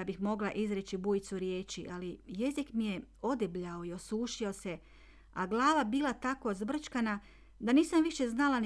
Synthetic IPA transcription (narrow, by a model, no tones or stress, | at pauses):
abixmo̞ɡlˠaʔizɾet͡ɕibujit̪suɾje̞ːt͡ʃiʔalije̞zikmije̞o̞d̪ibʎao̞io̞suːʃio̞se̞ | a̰ɡlˠaːʋabiːlˠat̪ako̞zbr̩t͡ʃkana | d̪aniːsamʋiʃe̞znalan